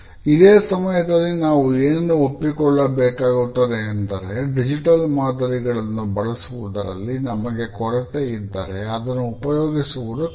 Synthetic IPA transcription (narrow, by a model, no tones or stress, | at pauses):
id̪eːsɐmɐjɐd̪ɐlːinaːʋueːnnuopːikɔɭːɐbeːkaːɡut̪ːɐd̪eːnd̪ɐɾe̞ɖid͡ʒiʈɐlmaːd̪ɐɾiɡɐɭɐnːubɐɭɐsuʋud̪ɐɾɐ̰lːinɐmɐɡe̞kɔɾɐt̪eid̪ːa̰ːɾe̞ɐd̪ɐnːuːpɐjoːɡisuʋud̪u